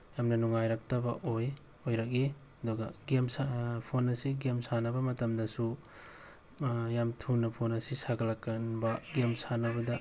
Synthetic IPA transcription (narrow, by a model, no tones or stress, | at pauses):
jamnɐnuŋajɾak̚tɐbɐ̰ʔoj | ojɾak̚e | ɐdɔɡɐ̰ɡemsapʰonɐsiɡemsanɐbɐmɐtɐmdɐsu | jamtʰunɐpʰonɐsisaɡɐlakːɐnbɐɡemsanɐbɐdɐ